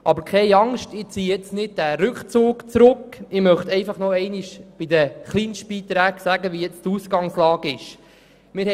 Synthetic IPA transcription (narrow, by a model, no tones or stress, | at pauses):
ʔɑbəɾkʰɛɪɑŋʃtɪt͡siːjɛt͡snɪd̚dæɾʉkχt͡suːkt͡sɾʊkɪmœχt̪ɛɪfɑχnɔɛɪniʃb̥ɪd̪əχliːnʃt̚b̥iːt̪ɾæːɡ̥sæɡəʋijɛt͡stuːsɡɑŋslɑːɡɪʃ | mɪːɾ